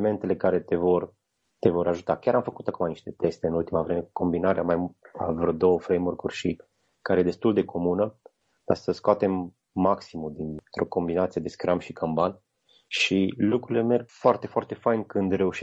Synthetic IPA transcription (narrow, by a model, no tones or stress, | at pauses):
me̞nt̪e̞le̞kaɾe̞t̪e̞vo̞r | t̪e̞vo̞ɾaʒut̪akʲjaɾamfəkut̪akumaniʃt̪e̞t̪e̞st̪e̞ɨnult̪imavɾeme̞ko̞mbinaɾeamaja̰vɾod̪o̞wəfɾejmorkurʲʃi | kaɾejed̪e̞st̪uld̪e̞kʰo̞munə | kasəskoat̪e̞mː | aksimud̪int̪ɾo̞ko̞mbinat̪sije̞d̪e̞skɾamʃikʰamban | ʃilukɾuile̞me̞rɡfoart̪e̞foart̪e̞fajnkɨnd̪re̞uʃi